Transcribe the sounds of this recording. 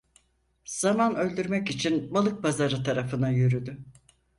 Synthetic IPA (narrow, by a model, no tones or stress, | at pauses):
z̥amanø̞lʲd̪yɾmɛcit͡ʃʰinbalˠɯk̚bazaɾɯt̪ʰaɾafɯnajyɾyd̪y